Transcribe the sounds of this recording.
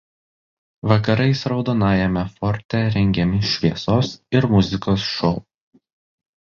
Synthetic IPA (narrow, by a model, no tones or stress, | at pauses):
ʋɐkɐɾɐɪsɾɒʊd̪oːnɑːjɛmʲɛfɔɾʲt̪ʲɛɾʲɛŋʲɡʲɛmʲɪʃʲʋʲiɛsoːsɪɾmʊzʲɪkoːsʃɔʊ